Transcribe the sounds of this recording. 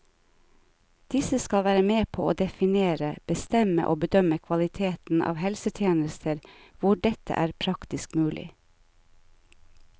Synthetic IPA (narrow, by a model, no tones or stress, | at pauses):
d̪̥ɪsəskɑlʋæːɾəmeːpʰo̰ːʔoːd̪ɛfɪneːɾəb̥əst̪ɛmə̰ʔoːbəd̪œməkʰʋɑlɪt̪ʰeːt̪n̩ʔɑ̰ːʋhɛlsət̪ʰjeːnəst̪ʰəɾ | ʋʊɖɛt̪ə̰ʔæːɾpʰɾɑkt̪ɪskmʉːlʔɪ̰